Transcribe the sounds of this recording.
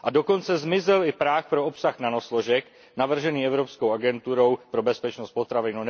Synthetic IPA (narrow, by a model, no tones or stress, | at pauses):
ʔado̞ko̞nt͡sɛzmɪzɛlɪpɾaːxpɾoopsaxnanoslo̞ʒɛk | navr̩ʒɛniːɛvɾo̞psko̞wʔaɡɛnt̪uɾowpɾo̞bɛspɛt͡ʃnost̪̚po̞t̪ɾavɪnun